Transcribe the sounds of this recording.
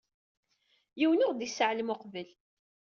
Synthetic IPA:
jiwənʊʁd̪isəʕlmʊqvəl

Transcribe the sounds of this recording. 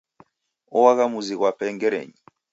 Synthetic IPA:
ɔwaɣamuziɣwapʰɛŋɡɛɾḛɲi

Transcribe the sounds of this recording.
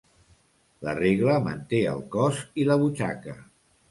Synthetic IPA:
ləreɣləmə̰nt̪eə̰lˠkɔziləβ̞ut͡ʃa̰kə

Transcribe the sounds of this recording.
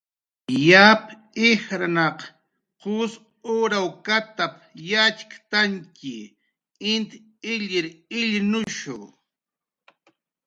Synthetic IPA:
jap | ɪhɾanɑq | qʊs | oɾawkat̪ap | jat͡ʃkḁt̪aŋkɪ | ɪnt̪ | ɪʎɪɾɪʎnʊʃʊ̰

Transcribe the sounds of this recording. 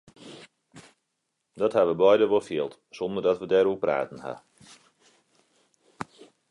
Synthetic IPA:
dɔthaʋəbɔjdəʋolˠfjɪəlˠt | sɔndərdɔtʋədɛɾupra̰ːtən̩ha̰

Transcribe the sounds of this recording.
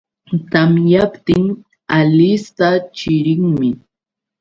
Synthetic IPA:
t̪amjapt̪ɪŋ | alɪst̪at͡ʃɪɾɪŋmɪ

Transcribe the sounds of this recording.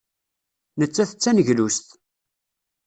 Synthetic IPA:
nət͡sːæθət͡sːænəʝlust̪

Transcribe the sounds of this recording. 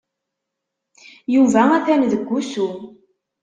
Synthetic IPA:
juvææθænðəɡʷːusu

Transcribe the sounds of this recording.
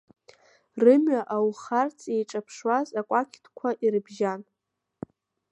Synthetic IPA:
rɨmɥaʔawχart͡sʰʼejʈ͡ʂʼapʰʂwazakʷʼakʲʰtʰkʷʰaʔiɾɨbʒan

